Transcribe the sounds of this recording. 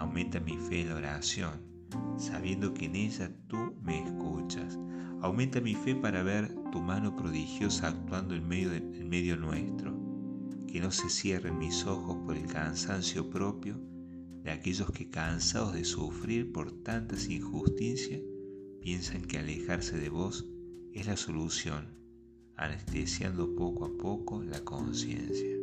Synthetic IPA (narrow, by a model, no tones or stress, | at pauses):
awmẽ̞nt̪amifeːnlaoɾasjo̞n | sa̰βje̞nd̪o̞keːne̞ʒat̪umeːskut͡ʃasawmẽnt̪amife̞paɾaβeɾt̪umano̞pɾo̞ðixjo̞saːk̚t̪wand̪oemeo | elme̞ðjo̞nwest̪ɾokeno̞sesjerenmiso̞xospoɾelkansansjo̞pɾo̞pjo̞ | d̪eakeʒo̞skekansaðozðesufɾiɾpoɾt̪ant̪asiŋxust̪isjapje̞nsaŋkealexaɾseðeβo̞sezlaso̞lusjo̞n | a̰nest̪esja̰nd̪opo̞koapokolakonsjḛnsja